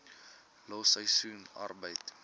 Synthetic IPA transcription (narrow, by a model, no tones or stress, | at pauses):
lɔsəjsunɐ̰rbəjt